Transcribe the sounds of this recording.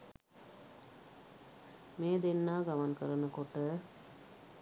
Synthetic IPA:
meːd̪enːaːɡamaŋkəɾənəkoʈə

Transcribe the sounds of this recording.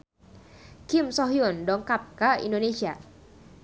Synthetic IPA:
kʰimsɔɦiundɔːŋkap̚kaʔḭndoːnesʰia

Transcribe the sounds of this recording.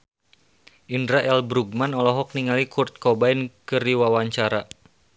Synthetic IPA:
ʔindɾaʔɛlbɾuɡ̚manɔlɔɦɔk̚niŋalikurt̪̚kɔbainkɨrdiwawaɲt͡ʃaɾa

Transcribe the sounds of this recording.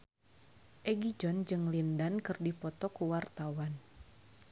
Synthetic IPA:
ʔɛɡid͡ʒɔnd͡ʒɨŋlindankɨrdipɔt̪ɔkuwart̪awan

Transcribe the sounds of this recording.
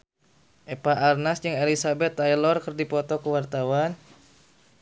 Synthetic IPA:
ʔepaʔarnasd͡ʒɨŋelisabɛt̪ːajlɔrkərdipɔt̪ɔkəwart̪awan

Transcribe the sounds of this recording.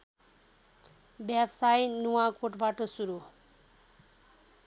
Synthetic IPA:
bjabsajnuwakoʈbaʈʌsuɾu

